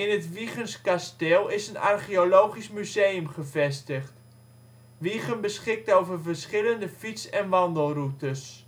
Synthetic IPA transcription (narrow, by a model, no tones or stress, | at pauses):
ɪnətʋiχənskastɪlˠɪsəna̰rχiolowχismyzejəmχəvɛstəχt | ʋiχənbəsχɪk̚towvərvərsχɪləndəfitsɛnʋɑndəlˠrutəs